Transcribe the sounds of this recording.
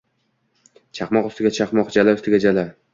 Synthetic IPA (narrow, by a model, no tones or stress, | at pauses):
t͡ʃʰɑqmɒqʊst̪ɪɡʲat͡ʃʰɑqmɒqd͡ʒalaʊst̪ɪɡʲad͡ʒala